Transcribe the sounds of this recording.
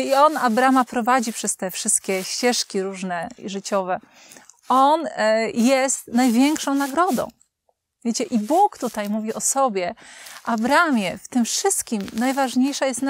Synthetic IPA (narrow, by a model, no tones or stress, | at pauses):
iɔnabɾamapɾɔvad͡ʑipʂɛst̪ɛfʂɘst̪̚kʲɛɕt͡ɕɛʂkʲiɾuʐnɛʐɘt͡ɕɔvɛ | ɔnjɛst̪najvʲjɛŋkʂɔ̃w̃naɡɾɔd̪ɔ̰̃w̃ | vʲjet͡ɕɛʔibukt̪ut̪ajmuvʲiʔɔsɔbʲjɛʔabɾamʲjɛft̪ɘmfʂɘst̪kʲimnajvaʐɲejʂajɛst̪n